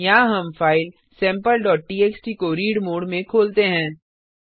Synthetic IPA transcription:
jaːɦɐmfaːɪl | sɛ̃ːmpəlɖɔːʈ̚ʈiːeːksʈiːkoɾiːɖmoːɖmẽkʰoːlt̪eɦɛ̃ː

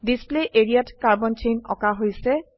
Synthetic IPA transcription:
displeʔeɹijatkaɹbɔnt͡ʃejnɔ̰kaɦojsɛ

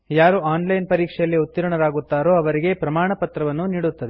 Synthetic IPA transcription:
jaːɾuaːnlɐjnpɐɾiːkʂɛjɐlːiut̪ːiɾɐɳɐɾaːɡut̪ːaːɾoːɐʋɐɾiɡe̞pɾɐmaːɳɐpɐt̪ɾɐʋɐnːuniːɽut̪ːɐd̪e

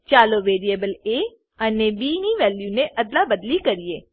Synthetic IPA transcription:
t͡ʃaːloːʋeːɾieːbəleː | əneːbiːniːʋɛːljuːnẽʔəd̪laːbəd̪likəɾieː

